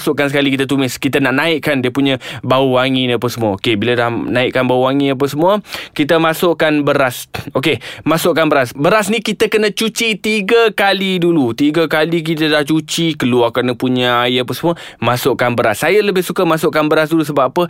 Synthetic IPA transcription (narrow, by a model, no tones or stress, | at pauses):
sʊʔkansəkalikit̪ət̪̬umɪskit̪ənaʔnãɪʔkandiəpuɲə̃bauwaŋinap̬əsəmuaokebiladahnaɪʔkanbauwaŋiap̬əsəmuəkit̪əmasʊʔkanbəɾasokemasʊʔkanbəɾasbəɾasnikit̪əkənə̃t͡ʃut͡ʃit̪iɡəkalidulut̪iɡəkalik̬it̪̬ədaht͡ʃut͡ʃikəluakənəpuɲəajəapəsəmũəmasʊʔkanbəɾasːajələbɪhsukəmasʊʔkanbəɾasdulus̬əbaapə